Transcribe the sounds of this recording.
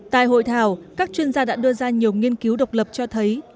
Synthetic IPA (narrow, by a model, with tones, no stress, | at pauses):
t̪a̰ː˧˨jɦo̰˧˨jt̪ʰaː˨˩wkaː˦˥k̚t͡ɕwi˧ənzaː˧ɗa̰ː˧˥ɗɨ˧əzaː˧ɲi˨˩əwŋi˧ənki˨˦wɗə˨˩wk͡p̚lə˨˩p̚t͡ɕɔ˧t̪ʰə˨˦j